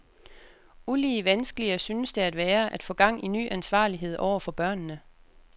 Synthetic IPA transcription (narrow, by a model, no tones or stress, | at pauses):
uliːəʋænsɡ̥əliɐsynəsd̥e̝æd̥ʋæːɐʔæd̥fɔ̽ːɡ̥ɑ̈ŋ̰iny̰ːʔænsʋɑ̰̈ːliɦe̝ð̞̰ˠʔɒʊ̰ɐfɒ̽b̥ɶɐ̰nːə